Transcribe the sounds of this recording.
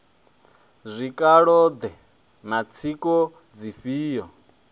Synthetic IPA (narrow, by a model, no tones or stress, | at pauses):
zʷikʼaɺɔd̪ɛ | nat͡sʰikʼɔ | d͡ziɸiːjɔ